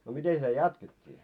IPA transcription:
no miten sitæ jɑtketʲːiː

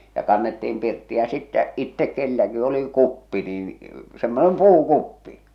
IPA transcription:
jɑ kɑnːetːiːm pirtːi jɑ sitːæ itːek kelːæki oli kupːi nin semːonem puːkupːi

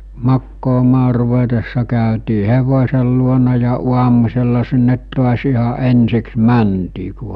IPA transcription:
mɑkːoːmɑː ruʋetesːɑ kæˑøtiː heʋosʲel luonɑ jɑ uɑmuselːɑ sinːet to̝ɑs ihɑ ensiks mæntiː ku

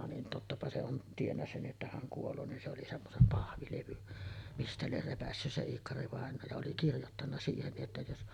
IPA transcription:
nin totːɑpɑ se on tienːæ sen ʔetːæ hæŋ kuolˑoː nin se oli semːosem pɑhʋileʋyn mistæ lier repæsːys se iːkːɑriʋɑˑenoː jɑ oli kirjotːɑnːɑ siːhen nij jotːɑ jos

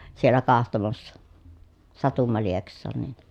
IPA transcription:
sielːæ kɑhtomɑsːɑ sɑtumːɑ lieksˑɑːn nin̥

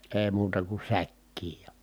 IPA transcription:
eː muːtɑ ku sækːiːj jɑ

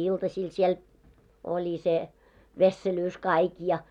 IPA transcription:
iltɑsiːl siel olʲi se ʋesːelyːs kɑik jɑ

